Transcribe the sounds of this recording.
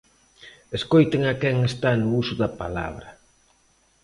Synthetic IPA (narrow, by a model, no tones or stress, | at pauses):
eskojt̪eŋakɛŋest̪anʊusʊðɐpa̰la̰βɾɐ